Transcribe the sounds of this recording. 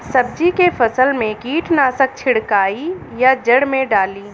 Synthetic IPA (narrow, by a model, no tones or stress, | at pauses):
sɐb̚d͡ʒikefɐsəlmẽkiːʈʰnaːsək̚t͡ʃʰɪɽkaːijad͡ʒəɽmẽɖaːliː